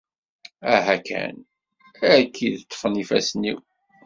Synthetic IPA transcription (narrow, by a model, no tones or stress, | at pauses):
æɦækæ̰n | ækʰːiðt̪ˤːə̥fənifæsnḭw